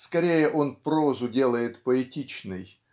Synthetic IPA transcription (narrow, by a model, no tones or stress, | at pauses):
skɐɾʲejəʔo̞npɾozʊdʲelˠəjɪt̪pəɪtʲit͡ɕnɨj